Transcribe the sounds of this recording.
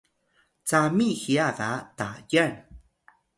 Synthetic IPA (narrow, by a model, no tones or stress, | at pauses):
t͡samixiaðatajan